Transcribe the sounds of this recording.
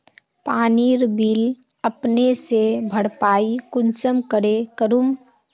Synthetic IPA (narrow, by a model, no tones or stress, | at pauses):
paːniɾbiːl | əpnesebʱəɽpaːikʊnsəmkəɽekəɾum